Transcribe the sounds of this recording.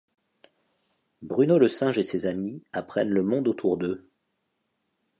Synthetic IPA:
bʁynoləsɛ̃ʒesezamiapχɛnləmɔ̃d̪ot̪ʰuʁd̪ø

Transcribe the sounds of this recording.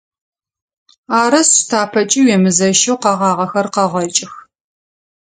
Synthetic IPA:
aːɾɐstʰaːpʰɐt͡ʃʼiwɛmɨzɐʃɐwqɑʁɑːʁɐxɐrqɐʁɐt͡ʃʼɪx

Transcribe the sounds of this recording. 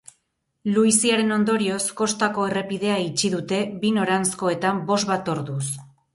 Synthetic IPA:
luisiaɾe̞no̞nd̪o̞ɾio̞sko̞st̪ako̞e̞re̞pið̞e̞ait͡ʃiðut̪e̞βino̞ɾansko̞e̞t̪ambo̞zβat̪o̞ɾðus

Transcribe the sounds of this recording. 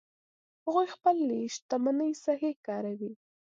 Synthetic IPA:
haɣujxpəlːeʃt̪amanəjsaɦekɑɾawi

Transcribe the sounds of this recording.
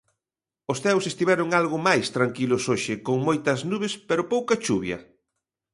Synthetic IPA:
osθɛwsest̪iβɛɾʊŋalɣʊmajst̪ɾaŋkilʊsoʃɪkoŋmojt̪ɐznuβespeɾʊpowkɐt͡ʃuβjɐ̰

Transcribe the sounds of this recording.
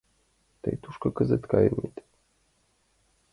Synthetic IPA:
t̪ɘ̰jt̪uʃkɤ̆kɘ̆zɘt̪kɑjɤnʲit̪

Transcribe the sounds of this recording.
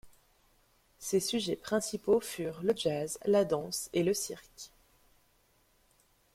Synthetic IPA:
sesyʒɛpχɛ̃sipofyʁləʒazlad̪ɑ̃seləsiʁkʲ

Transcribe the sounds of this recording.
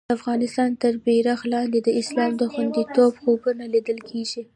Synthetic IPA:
afɣɑnɪst̪ɑnt̪əɾbeɾaxlɑnd̪ed̪əɪslɑmd̪əxwand̪it̪obxobunalid̪əlkʰeʒi

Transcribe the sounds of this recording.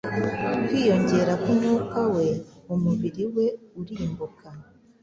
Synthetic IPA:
kwiːjo̞ɲɟe̞ːɾakomuːkawe̞umuβiɾiwe̞uɾiːmbukʰa

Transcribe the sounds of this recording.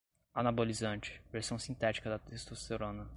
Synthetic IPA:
anabolizɐ̃nt͡ʃɪ̥veɾsɐ̃w̃sĩt̪ɛt͡ʃi̥kɐd̪ɐt̪est̪oseɾõnɐ

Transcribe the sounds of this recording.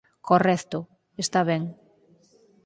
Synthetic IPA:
kʰorɛθt̪ʊ | est̪aβɛŋ

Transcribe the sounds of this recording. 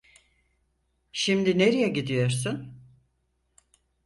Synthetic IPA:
ʃimd̪ineɾijɛɟid̪ijo̞ɾsun

